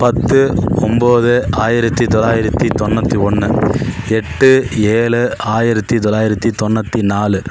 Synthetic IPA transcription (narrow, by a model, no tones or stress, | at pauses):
pɐt̪ːɯɔmboːðɯaːjɪɾɐt̪ːit̪ɔlaːjɪɾɐt̪ːit̪ɔnːɐt̪ːiɔɳːɯɛʈːɯeːɭɯaːjɪɾɐt̪ːit̪ɔlaːjɪɾɐt̪ːit̪ɔnːɐt̪ːinaːlɯ